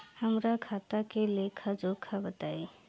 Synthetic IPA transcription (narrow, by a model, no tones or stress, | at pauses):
həmɾakʰaːt̪akelekʰad͡ʒokʰabət̪aːi